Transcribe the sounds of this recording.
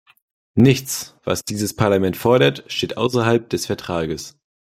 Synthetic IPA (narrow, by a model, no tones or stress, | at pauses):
nɪçt͡sv̥a̰sd̥iːzəspʰaɐlamɛntfɔɐɾɐtʃteːtʔaʊsɐɦalp̚d̥ɛsfɛɐtʁ̥aːɡəs